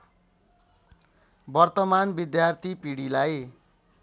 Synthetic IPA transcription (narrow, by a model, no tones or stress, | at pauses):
bʌrt̪ʌmanbid̪jart̪ʰipiɽilaj